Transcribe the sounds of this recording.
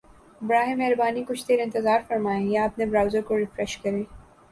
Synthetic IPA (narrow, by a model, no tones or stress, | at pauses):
bɾaːɦẽmɛɦɾbaːnikʊt͡ʃʰd̪eːɾɪ̃nt̪ɪzaːɾfɐɾmaːẽjaɐpnebɾaːʊzəɾkoɾɪfɾɛʃkɐɾẽː